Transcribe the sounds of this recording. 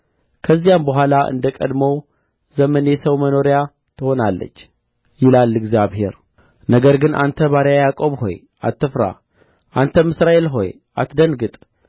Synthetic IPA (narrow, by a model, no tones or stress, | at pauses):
kʰəzːijambəɦʷalaʔɨ̰nd̪əkʼə̰d̪məw | zəmənjesəwməno̞ɾja | t̪ʰɨho̞nalːə̰t͡ʃː | jɪlalːɨɡzjaβhe̞̰ɾ | nəɡəɾɡɨnʔa̰nt̪ʰəβaɾjajakʼo̞βho̞̰j | ʔa̰t̪ːɨfɾa̰ | ʔant̪ʰəmɨsɾaʔe̞lɦo̞̰j | ʔat̪d̪ənɡɨt̪ʼ